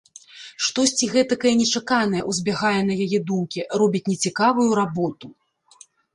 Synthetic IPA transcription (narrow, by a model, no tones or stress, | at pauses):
ʂt̪ɔsʲt͡sʲiɣɛt̪ɐkɐjɛnʲɛt͡ʂakanɐjɛʔuzʲbʲaɣajɛnɐjajɛd̪umkʲirɔbʲit͡sʲnʲɛt͡sʲikavujuɾabɔt̪u